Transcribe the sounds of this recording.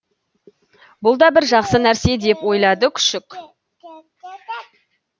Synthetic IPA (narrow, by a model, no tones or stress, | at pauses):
bʊlˠd̪ɑbɪɾʒɑqsənæɾse̞d̪e̞pwo̞jlˠɑd̪əkʲʰʏ̥ʃɪkʲ